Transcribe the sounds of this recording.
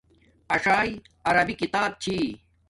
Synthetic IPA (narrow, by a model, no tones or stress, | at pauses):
ɐʂaːj | ɐɾɐbikit̪aːb̚t͡ɕʰiː